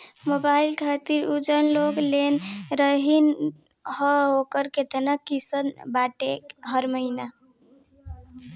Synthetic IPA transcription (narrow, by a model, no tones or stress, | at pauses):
mobailkʰat̪iɾud͡ʒənloɡlenɾəɦin | həokəɾket̪ənəkːisənbaʈekɦəɾməɦina